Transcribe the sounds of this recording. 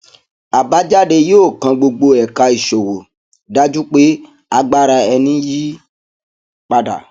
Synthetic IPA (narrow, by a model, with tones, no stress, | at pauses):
a˨ba˨˦d͡ʒa˦ɖe˧je˦o˦˨kã˧ɡ͡bo˧ɡ͡bo˧ɛ˨ka˧i˨ʃo˨wo˨ | da˦d͡ʒu˦k͡pe˦ | a˧ɡ͡ba˦ɾa˧ɛ˧nĩ˦ji˦ | k͡pa˧da̰˨